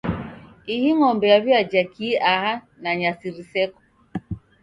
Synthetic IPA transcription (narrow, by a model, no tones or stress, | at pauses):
ihiŋɔmbɛaβjad͡ʒakʰiaha | naɲasiɾisɛkɔ̥